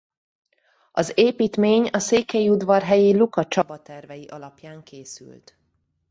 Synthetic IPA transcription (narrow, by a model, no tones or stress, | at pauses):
ɒzeːpiːt̪meːɲɒseːkɛjiud̪vɒrɦɛjeːlukɒt͡ʃɒbɒt̪ɛrvɛjiʔɒlɒpjaːŋkʰeːsy̰lt̪